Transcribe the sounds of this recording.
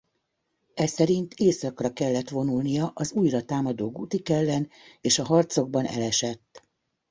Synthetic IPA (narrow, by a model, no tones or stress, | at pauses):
ɛsɛɾint̪ʰeːsɒkrɒkɛlːɛt̪ʋo̞nulnijɒʔɒzujrɒt̪aːmɒd̪oːɡuːt̪ikɛlːɛneːʃɒɦɒrt̪so̞ɡ̚bɒnɛ̰lɛʃɛt̪ː